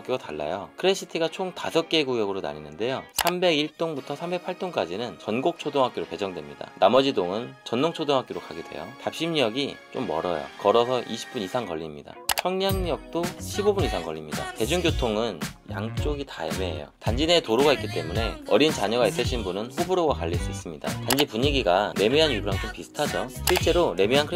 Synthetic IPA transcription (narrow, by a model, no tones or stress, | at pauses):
k͈joɡataɭːa̰jokʰɯɾe̞ɕ͈ʰitʰiɡat͡ɕʰoŋtasʰʌk͈eɡuɡjʌɡɯɾona̰ɲinːɯnde̞josʰambe̞ɡiɭt͈oŋbutʰʌsʰambe̞k̚pʰaɭt͈oŋk͈ad͡ʑinɯnt͡ɕʌnɡok̚t͡ɕʰodoŋɦak͈joɾoke̞d͡ʑʌŋdwemɲida̰namʌd͡ʑidoŋɯnt͡ɕʌnːoŋt͡ɕʰodoŋɦak͈oɾokʰaɡidwe̞̰jo̰tap̚ɕ͈imɲijʌɡit͡ɕ͈omːʌ̰ɾʌjo̰kʌɾʌsʰʌʔiɕʰi̥p̚p͈unisʰaŋkʌʎːimɲida̰t͡ɕʰʌŋɲaŋɲʌk̚t͈oɕʰibobunisʰaŋɡʌ̰ʎːimɲida̰te̞d͡ʑuŋɡjotʰoŋɯnja̰ŋt͡ɕ͈oɡitaemeɦḛjo̰tand͡ʑinetoɾoɡaik͈it͈e̞mune̞ʌɾint͡ɕaɲʌɡais͈ɯɕʰinbunɯnɸobuɾoɡakaʎːis͈uis͈ɯmɲida̰tand͡ʑipuɲiɡiɡane̞miɦanjubuɾamt͡ɕ͈ompisʰɯ̥tʰad͡ʑoɕʰiɭt͡ɕ͈e̞ɾone̞miɦankʰɯ